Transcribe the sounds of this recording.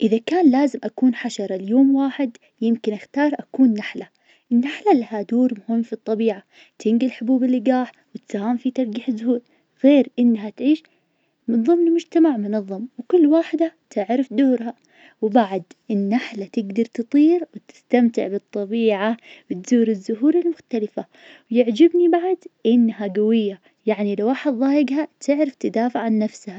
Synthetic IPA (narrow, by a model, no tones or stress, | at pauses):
ʔɪðakaːnlaːzɪmʔakuːnħaʃɑɾˤɑljoːmwaːħɪd̪ | jɪmkɪnʔaxt̪ɑːɾˤʔakuːnːaħla | ʔɪnːaħlalahad̪uːɾmʊhɪmːfit̪ˤːɑbiːʕa | t̪ʰɪŋɡɪlħʊbuːbɪlːɪɡaːħ | wɪt̪sahaːmfit̪ɑɾˤɡɪħɪzːʊhuːl | ɣeːɾʔɪnːɦat̪ʕiːʃ | mɪnðˤɨmːnɪlmʊd͡ʒt̪amaʕmʊnɑðˤːɑmwkʊlːwaːħɪd̪at̪ʰɪʕɾɪfd̪ʊːɾɦa | wbaʕd̪ʔɪnːaħlat̪ɪɡd̪ɑɾˤt̪ɨt̪ˤiːɾwɪt̪ɪ̥st̪amt̪ɪ̰ʕbɨt̪ˤːɑbiːʕawɪt̪z̥uːɾɪzːʊɦuːɾɪlmʊxt̪alɪfa | wjɪʕd͡ʒɪbnibaʕd̪ʔɪnːɦaɡawɪjːa | jaʕnilawːaːħɪd̪ðˤɑːjɪɡɦat̪ʰɪʕɾɪft̪ad̪aːfɪʕʕanːafsha